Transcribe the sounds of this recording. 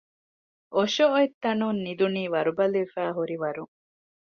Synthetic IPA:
ʔoʃooet̪ːɐnunːid̪uniːʋɐɾubɐluʋefæːɦuɾiʋɐɾuŋ

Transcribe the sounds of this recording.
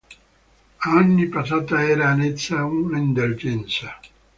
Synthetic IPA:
anːipasaːt̪aɛɾaːnet̪sːaunind̪old͡ʒɛnsa

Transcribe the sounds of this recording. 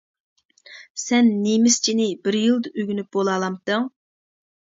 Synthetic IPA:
sɛnːemɪst͡ʃʰinɪbɪɾjɨlˠd̪ɨøɡʲynyp̚bolˠɑːlˠɑmt̪ɨŋ

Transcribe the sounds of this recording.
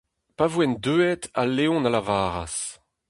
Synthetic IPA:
pavwɛnd̪øːɛt̪a̰lːeɔ̃nalavaːʁa̰s

